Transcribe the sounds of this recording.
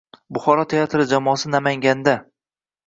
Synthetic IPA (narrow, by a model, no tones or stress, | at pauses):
bʊχɒɾɒt̪ʰeat̪ʰɾɪd͡ʒamɒːsɪnamaŋɡʲand̪a